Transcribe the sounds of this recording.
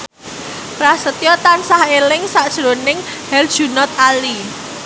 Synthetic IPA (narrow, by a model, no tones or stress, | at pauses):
pɾahsət̪ijɔt̪ansahelɪŋsaʔd̥ʒ̥ɾonɪŋ | hɛld̥ʒ̥ṳnɔt̪̚ali